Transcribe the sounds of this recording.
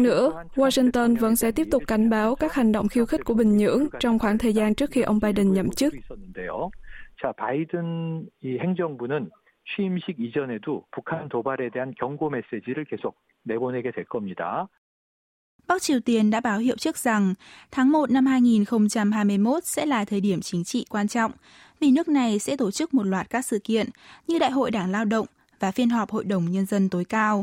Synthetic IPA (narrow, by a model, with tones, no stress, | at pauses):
nɨ̰˧˥əwaː˧si˧ŋt̪ə˧nvə̰˧˥nsɛ̰˧˥t̪i˦˥p̚t̪ʊ˨˩k͡p̚kːa˨˦jŋ̟ɓaː˨˦wkaː˦˥k̚ha˨˩jŋ̟ɗo̰˧˨wŋ͡mxi˧wxi̟˦˥ku˧˩əɓï˨˩ŋ̟ɲɨ̰˧˥əŋt͡ɕɔ˧wŋ͡mxwaː˧˩˦ŋt̪ʰəː˨˩jzaː˧nt͡ɕɨ˦˥ək̚xi˧ʔə˧wŋ͡mɓaː˧jɗə˨˩nɲə̰˧˨mt͡ɕɨ˦˥k̚nːndejot͡ɕapaidɯniheŋd͡ʑʌŋbunɯn | t͡ɕʰwiːmɕʰiɡid͡ʑʌne̞dopukʰant̪obaɾe̞deɦankjʌŋɡomes͈ed͡ʑiɾɯɭkesʰok̚ | neboneɡedwe˨ɭkʌmɲida | ɓa˦˥k̚t͡ɕi˨˩əwt̪i˨˧˩ənɗa̰ː˧˥ɓaː˨˦wɦḭ˧˨əwt͡ɕɨ˦˥ək̚z̥a˨˩ŋt̪ʰaː˨˦ŋmo˨˩t̚na˧mɦaː˧jŋi˨˩nxə˧wŋ͡mt͡ɕa˧mɦaː˧jmɨ˧əjmo˦˥t̚sɛ̰˧˥laː˨˩t̪ʰəː˨˩jɗi˧˩əmt͡ɕï˨˦ŋt͡ɕḭ˧˨kwaː˧nt͡ɕɔ̰˧˨wŋ͡m | vi˨˩nɨ˦˥ək̚na˨˩jsɛ̰˧˥t̪o˧˩t͡ɕɨ˦˥k̚mo˨˩t̚lwaː˨˩t̚kaː˦˥k̚sɨ̰˧˨kḭ˧˨ənɲɨ˧ɗa̰ː˧˨jɦo̰˧˨jɗaː˧˩ŋlaː˧wɗə̰˧˨wŋ͡m | vaː˨˩fi˧ənɦɔ˨˩p̚ho̰˧˨jɗə˨˩wŋ͡mɲə˧nzə˧nt̪o˨˦jkaː˧w